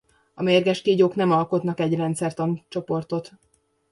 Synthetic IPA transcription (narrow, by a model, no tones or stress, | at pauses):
ɒmeːrɡɛʃt̪iɟoːknɛmɒlko̞t̪nɒkɛɟrɛnt̪sɛrt̪ɒnt͡ʃo̞po̞rt̪o̞t̪